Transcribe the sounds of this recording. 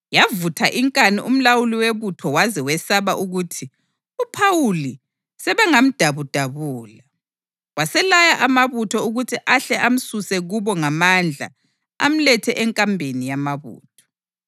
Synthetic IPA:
javutʰaʔiŋkʼaniʔum̩lawuliweβutʰɔwazɛwɛsaβaʔuɣutʰi | upʰawuli | sɛβaŋam̩d̥ʱaβud̥ʱaβuːla | wasɛlajaʔamaβutʰɔuɣutʰiʔaɬɛʔam̩susɛɣuβɔŋamand͡ɮʱa̰ | a̰m̩lɛtʰɛʔɛŋkʼambʱenijamaβṵːtʰɔ̥

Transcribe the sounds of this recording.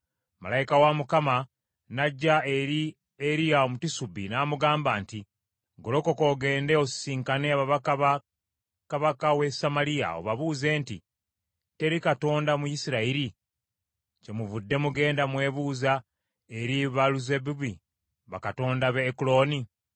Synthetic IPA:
ma̰lajikawamukama | naɟːae̞ɾi | eɾijaomutisubinaːmuɡaːmbaːnti | ɡo̞lo̞ko̞ko̞ɡe̞ːnde̞ossiːŋkaneaβaβakaβa | kaβakawesamalia̰o̞̰βaβuːze̞ːnti | te̞ɾikato̞ːndamujisiɾaiɾi | ce̞muvudːe̞muɡe̞ːndamwe̞ːβuːza | e̞ɾiβaluzebuβi | βa̰kato̞ːndaβeːkulo̞ːni

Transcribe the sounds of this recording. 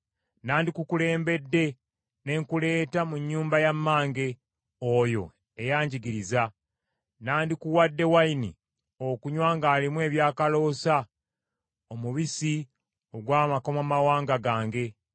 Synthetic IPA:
naːndikukule̞ːmbe̞dːe̞ | ne̞ŋkule̞ːtamuɲːuːmbajamːaːŋɡe̞ | ojo̞̰ | ejaːɲɟiɡiɾiza | naːndikuwadːe̞wainḭ | okuɲwaːŋɡaːlimwe̞ːβjaːkalo̞ːsa | omuβisi | o̞ɡwaːmako̞mamawaːŋɡaɡaːŋɡe̞

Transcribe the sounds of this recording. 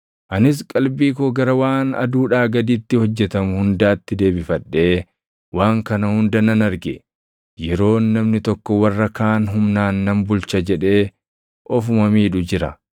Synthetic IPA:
ʔɐnɪs̬kʼɐlbiːk̬oɡɐɾɐwaːnɐ̰d̪uːᶑaːɡɐd̪iːt̪ːɪhɔd͡ʒːɛt̪ɐmʊhʊnd̪aːt̪ːɪd̪e̞ːbɪfɐᶑːe̞ː | waːŋkɐnɐhʊnd̪ɐnɐnɐɾɡɛ | jɛɾo̞ːnːɐmnɪt̪ɔkːɔwɐrːɐkaːnɦʊmnaːnːɐmbʊlt͡ʃɐd͡ʒɛᶑe̞ː | ʔɔfʊmɐmiːᶑʊd͡ʒɪɾɐ̰

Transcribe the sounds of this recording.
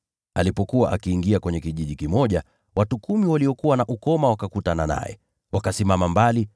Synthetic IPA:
alipɔkuwaʔakiːŋɡiakwɛɲɛkiʄiʄikimɔʄa | watukumiwaliɔkuwanaʔukɔmawakakutanana̰jɛ̰ | wakasimamambali

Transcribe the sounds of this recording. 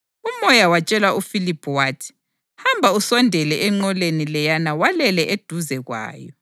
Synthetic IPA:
umɔjawat͡ʃʼɛlwaʔufilipʰwaːtʰi̥ | hambʱausɔndʱɛlɛʔɛŋ͡ǃɔlenilɛjanawalɛlɛʔed̥ʱuzɛɣwa̰ːjɔ̰

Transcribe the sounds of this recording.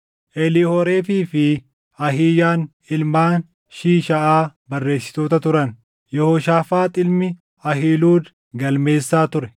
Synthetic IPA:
ʔɛlɪhɔɾe̞ːfiːfɪ | ɐɦɪːjaːn | ɪlmaːn | ʃiːʃɐʔaːbɐrːe̞ːsːɪ̥t̪oːt̪ɐt̪ʊɾɐn | jɛhoʃaːfaːt̪ʼɪlmɪ | ɐɦiːluːd̪ | ɡɐlme̞ːsːaːt̪ʊɾɛ

